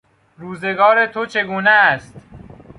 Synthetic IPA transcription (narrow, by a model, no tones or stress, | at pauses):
ɾuːze̞ɡɒːɾet̪ʰot͡ʃʰe̞ɡuːneːst̪